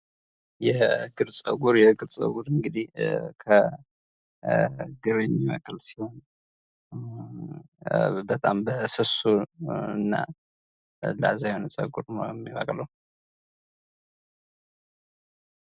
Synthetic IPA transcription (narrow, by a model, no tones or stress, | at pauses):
jɛɡɨɾsʼə̰ɡuɾjɛɡɨɾsʼə̰ɡuɾɨŋɡɨd̪ihkʰə | ɡɨɾəɲːiməkʼɨlsi̥ho̞n | bət̪ʼambəsɨsuɨnːa̰ | la̰zajhonsʼə̰ɡuɾɛmːiβa̰kʼləw